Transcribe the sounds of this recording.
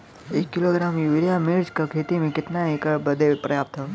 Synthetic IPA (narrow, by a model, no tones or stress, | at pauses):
ekːiloɡɾaːmjuʋiɾjamiɾd͡ʒkəkʰet̪imĩkɪt̪naekəbəd̪ʱepɾɐjap̚t̪ʰa